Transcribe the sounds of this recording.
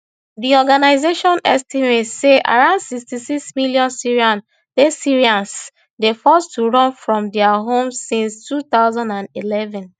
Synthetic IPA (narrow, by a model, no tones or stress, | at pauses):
diɔɡanaɪzeʃɔ̃nɛ̰stimetseʔa̰ɹãʊ̃nsikstisiksmiliɔ̃nsiɹiãn | desiɹiãns | defɔstuɹɔ̃nfɹɔ̃mdɛaɦõmssĩnstʰut̪aʊzãndãndilɛvɛ̃n